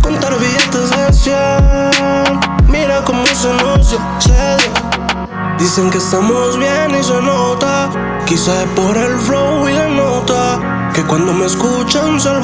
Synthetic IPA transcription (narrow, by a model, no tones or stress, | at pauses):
kont̪aɾβiet̪ezesje | miɾakomos̬enos̬jo | t͡ʃea | d̪iseŋkest̪amozβjenis̬enot̪a | kisapoɾelfɾowilenot̪a | kekwand̪omeskut͡ʃansel